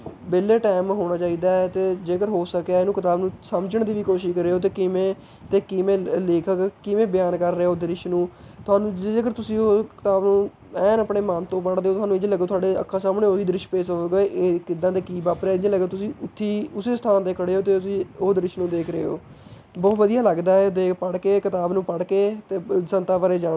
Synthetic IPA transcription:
beːleːʈaːmɦoːɽ̃aːt͡ʃaːiːd̪aːɛt̪eːd͡ʒeːkəɾɦoːsəkaenũːkɪt̪aːbnũːsəmd͡ʒəɳd̪iːʋiːkoːʃɪʃkəɾeːɦoːt̪̬eːkɪmẽː | t̪eːkɪmẽːleːkʰəkkɪmẽːbɪjaːnkəɾːeːoːd̪əɾɪʃnũːt̪ʊaːnũːd͡ʒed͡ʒeːkəɾt̪ʊsĩːokɪ̥t̪aːbnũː | ɛːnəpɽeːmaːnt̪õːpəɽd̪eːoːt̪ʊɦaːnũːɪd͡ʒ̃ːləɡːt̪ʊaːɖeːə̰kʰːaːsaːmɳeːoːɦiːd̪əɾɪʃpeːsoːɡkɪd̪ãːd̪eːkiːbaːpɾːɪd͡ʒẽləɡət̪ʊsĩːʊt̪ʰːiːʊseːst̪ʰaːnt̪eːkʰəɽeːoːt̪̬eːĩːoːd̪əɾɪʃnũːd̪eːkʰɾəḛːɦo̰ː | bɔːt̪ʋəd̪ijaːləɡd̪aːɦɛːd̪eːkpəɽkeːkɪt̪aːbnũːpəɽkeːt̪eːsənt̪aːʋəɾeːd͡ʒaː

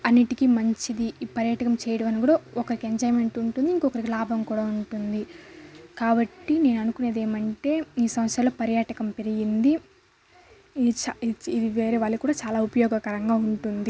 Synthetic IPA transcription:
ɐnːiʈikimɐɲt͡ʃid̪ipɐɾjɐʈɐkɐmt͡ʃɛːjɐɽɐmɐnikuːɽaɔkɐɾikieɲd͡ʒɐːjme̞ɳʈuɳʈund̪iŋkɔkɐɾikilaːbʱɐmkuːɽaːuɳʈund̪i | kaːbɐʈːine̞ːnɐnukune̞ːd̪e̞ːmɐɳʈe̞ːiːsɐmɐsɾɐloːpɐɾjɐʈɐkɐmpeɾiɡind̪i | t͡ʃaid̪iʋeːɾeːʋaːɭːukuːɽaːt͡ʃaːlaːupɐjɔːɡɐkɐɾɐŋɡaːuɳʈund̪i

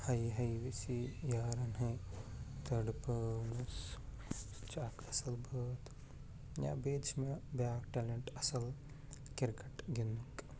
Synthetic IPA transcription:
hɐjɦɐjʋisijaːɾɐnɦe | t̪ɐɖpəːnus | t͡ʃakʰɐsɐlbɐːt̪ | jã̰ːbeːt͡ʃmebjaːkʈeleɳʈɐsɐl | kiɾkɐʈɡind̪uŋk

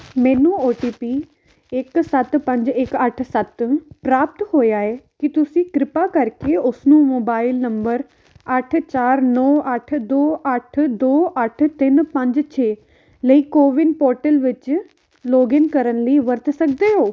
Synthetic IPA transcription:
mɛ̃ːnũoːʈiːpiː | ɪksɐt̪pɐ̃ɲd͡ʒɪkɐʈʰsɐt̪pɾaːp̚t̪ɦoːjaːɦekit̪ʊsĩɡɾɪpakɐɾkeʊsnũːmoːbaːɪlnɐ̃mbəɾ | ɐʈʰt͡ɕaːɾnɔːɐʈʰd̪oːʔɐʈʰd̪oːʔɐʈʰt̪ɪnpɐ̃ɲd͡ʑt͡ɕʰeː | ləiːkoːʋɪnpoːɾʈəlʋɪt͡ɕ | loːɡɪnkɐɾənliːʋɐɾt̪ʰsɐkʰd̪eɦoː

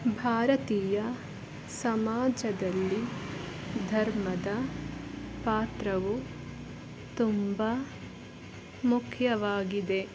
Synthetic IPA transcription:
bʱaːɾɐt̪iːjɐ | sɐmaːd͡ʒɐd̪ɐlːi | d̪ʱɐɾmɐd̪ɐ | paːt̪ɾɐʋu | t̪umba | mukʰjɐʋaːɡid̪e̞

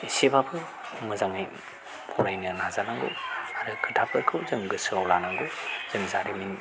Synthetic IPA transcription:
isebabʰɯ | mɯzaŋɯj | pʰɔɾajnɯɾnazanaŋɡṵaɾɯkʰɯtʰapʰɯɾkʰɯwzɯŋɡɯsɯawlanaŋɡuz̥ɯŋzaɾimin

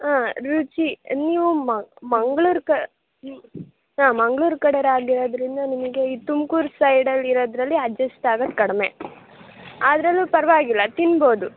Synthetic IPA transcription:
aːɾut͡ʃiniːʋumɐmɐŋɡɐɭuːɾkɐ | ɦaːmɐŋɡɭuːɾkɐɽɐɾaːɡiɾoːd̪ɾind̪ɐnimɐɡe̞iːt̪umkuːɾsɐjɖɐlːiɾoːd̪ɾɐlːiɐd͡ʒɐsʈaːɡɐd̪kɐɽɐme̞̰ | aːd̪ɐɾɐlːupɐɾɐʋaːɡilːɐt̪inbo̞ːd̪u

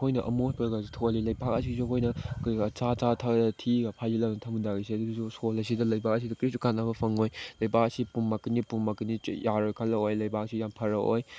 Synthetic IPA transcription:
kʰojnɐʔɐ̰mohpʰaɡasitʰolilɐjbak̚ɐs̬isukʰojnɐkːt͡ʃat͡ʃatʰaɡdɐtʰiɡɐpʰajzilanɐtʰɐmndaɡisiɐduɡsusolɐsidɐlɐjbak̚ɐs̬idɐkɾisukanːabɐpʰɐŋojlɐjbak̚ɐsipumːakinipumːakinijaɾojkʰalːɐojlɐjbaksijampʰɐɾɐo̰j

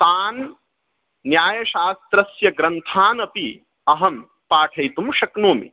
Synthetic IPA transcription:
t̪aːnː | jaːjɐʃaːst̪ɾɐsjɐɡɾɐnt̪ʰaːnɐpi | ɐɦɐm | paːʈʰɐjt̪umʃɐknoːmḭ

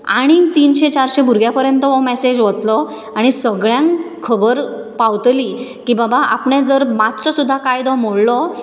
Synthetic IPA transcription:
aɽ̃it̪iːnɕet͡ɕaɾɕebʱuɾɡjapəɾjənt̪əʋɔmɛsed͡ʑʋət̪lɔ | aɽ̃isəɡɭjãŋkʰəbəɾpawt̪liːkibabaʔa̰pɳẽd͡zəɾmat̪t͡sɔsud̪ʱːakajd̪ɔm̤oɽlɔ

